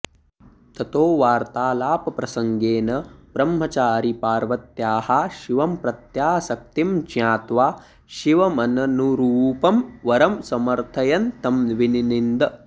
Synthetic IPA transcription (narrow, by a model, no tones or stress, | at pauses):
t̪ɐt̪oːʋaːɾt̪aːlaːpɐpɾɐsɐŋɡeːnɐb̥ɾɐmɦɐt͡ʃaːɾipaːɾʋɐt̪jaːhaʃiʋɐmpɾɐt̪jaːsɐk̚t̪imd͡ʒjaːt̪ʋaː | ʃiʋɐmɐnɐnuɾuːpɐmʋɐɾɐmsɐmɐɾt̪ʰɐjɐnt̪ɐmʋininind̪ɐ